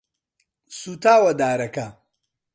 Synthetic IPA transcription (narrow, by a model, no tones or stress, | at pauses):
sut̪ʰaːwɐd̪aːɾɐkɐ